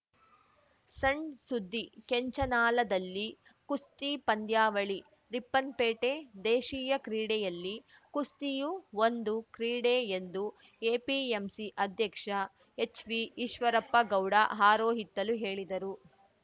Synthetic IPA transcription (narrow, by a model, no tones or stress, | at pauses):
sɐɳɖsud̪ʱːikeɲt͡ʃɐnaːlɐd̪ɐlːi | kust̪ipɐnd̪jaːʋɐɭi | ɾipːɐnpeːʈed̪eːʃiːjɐkɾiːɽɛjɐlːikust̪ijuond̪ukɾiːɽeːend̪u | eːpiemsiʔɐd̪ʱjɐkʂɐ | e̞t͡ʃʋiːʃʋɐɾɐpːɐɡɐwɽa̰ɦaːɾoːɦit̪ːɐluɦe̞ːɭid̪ɐɾu